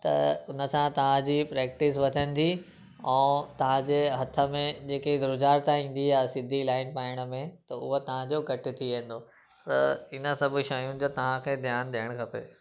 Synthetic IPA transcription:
t̪ɐ̰ʊnə̆sãt̪ɐʋ̤ãd͡ʑiːpɾeːk̚ʈɪs̬ʋɐt̪ʰə̃nɪ̆d̪i | ɛ̃ːt̪ɐʋ̤ãd͡ʑeːɦɐt̪ʰə̆mẽd͡ʑeːked̪ɾʊd͡ʑaːɾt̪ãĩːn̆d̪iaːɦesɪd̪ʱilaːɪnpaːɪɽ̃ə̆mẽt̪ɐʊ̰ɦot̪ɐʋ̤ãd͡ʑokɐʈɪ̆t̪ʰiʋẽːn̆d̪o | t̪ɐ̰ɪnə̆sɐbʱʊ̆ʃɐjũ̆d͡ʑot̪ɐʋ̤ãkʰeːd̪ʱjaːnɗijəɽ̃kʰɐpḛː

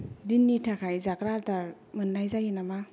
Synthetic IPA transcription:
dinːitʰakʰajzakɾadaɾ | mɯnːajzajinama

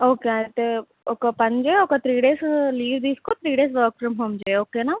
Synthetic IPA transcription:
oːkeaːt̪e | okapɐɲd͡ʒeokat̪ɾiːɖeːsliːʋd̪iːskot̪ʰɾiːɖeːsʋəːkfɾɐmɦoːmd͡ʒeːoːkeːna

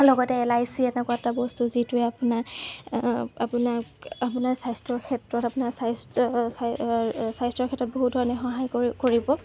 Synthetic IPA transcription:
lɔɡɔtɛːlajsiɛnɛkuatabɔstuzituɛapuna | apunaapunaɹsajstɹɔkʰɛtɹɔtapunaɹsas | sajstɹɔɹkʰɛtɹɔt̚boɦut̚dʱɔɹɔnɛxɔɦajkoɹibɔ

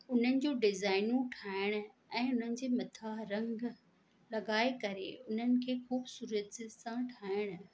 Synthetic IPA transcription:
ʊn̤ənɪ̆d͡ʑoːɖɪzaːɪnũʈʰaːɪɽ̃̆ | ɛ̃ːʊn̤ənɪ̆d͡ʑeːmɐt̪ʰaːɦɾɐ̃ŋɡ | lɐɠaːekɐɾḛʊn̤ənɪ̆kʰeːxuːbsuːɾət̪sãʈʰaːɪɽ̃̆

